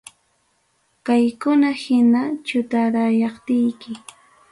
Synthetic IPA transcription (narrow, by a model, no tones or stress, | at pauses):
kajkʊnahɪnat͡ʃʊt̪aɾajɑχt̪ɪjkɪ